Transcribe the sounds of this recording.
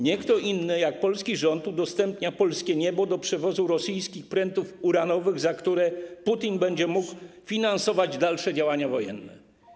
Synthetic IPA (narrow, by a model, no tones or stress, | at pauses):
ɲɛkt̪ɔʔinːɘjak̚pɔlskʲiʐɔnt̪ud̪ɔst̪ɛmpɲapɔlskʲɛɲɛbɔd̪ɔpʂɛvɔzuɾɔsijskʲixpɾɛnt̪ufuɾanɔvɘɣzakt̪uɾɛput̪ʲinbɛɲd͡ʑɛmukfʲinansɔvad͡ʑd̪alʂɛd͡ʑawaɲavɔjɛ̰nːɛ̰